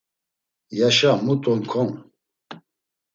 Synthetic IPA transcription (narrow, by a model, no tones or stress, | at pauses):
jaʃamut̪ʼɔnkʰɔn